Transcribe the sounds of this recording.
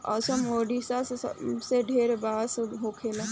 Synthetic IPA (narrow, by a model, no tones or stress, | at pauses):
a̰sɔmoːɖisasseɖʱeːɾbaːsɦokʰela